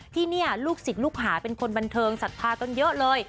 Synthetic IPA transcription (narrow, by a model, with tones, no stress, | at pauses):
t̪ʰiː˥˩ni˥˩ɐluː˥˩k̚si˨˩t̪̚luː˥˩k̚ɦaː˩˦pe˧nkʰo˧nba˧nt̪ʰɤː˧ŋsa˨˩t̪̚pʰaː˧ka˧njɤ˦˥ʔlɤː˧j